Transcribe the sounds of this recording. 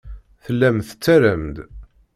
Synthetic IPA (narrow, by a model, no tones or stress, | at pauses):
θəlːæmθə̥t͡sːæɾəmd̪